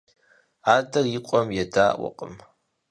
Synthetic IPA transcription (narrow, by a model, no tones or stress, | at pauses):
aːdɐrjɪqʷʼɔmjɛdaːʔwɔ̰qʼə̰m